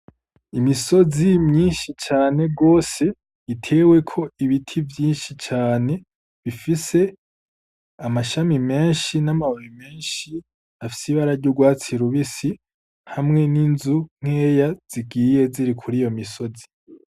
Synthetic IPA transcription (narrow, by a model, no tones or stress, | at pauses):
imiso̞zimɲiːnʃit͡ʃaːne̞ɡo̞ːse̞ | itʰe̞ːwe̞kʰo̞iβitʰivjiːnʃit͡ʃaːne̞ | βifise̞ | amaʃamime̞ːnʃinamaoɾime̞ːnʃi | afi̥siβaɾaɾɟuɡwaːt͡siɾuβisi | hamŋe̞ninzuŋ̥he̞ːjaz̥iɡiːje̞ziɾikʰuɾijo̞miso̞zi̥